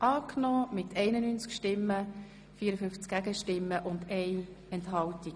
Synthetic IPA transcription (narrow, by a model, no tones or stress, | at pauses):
ʔɑːknɔːmɪt̪ɛɪnənyːnt͡skʃtɪmːə | fiəɾəfʏnft͡skɡ̥æɡəʃtɪmːəʔʊndɛɪ | ɛntɦɑlti̥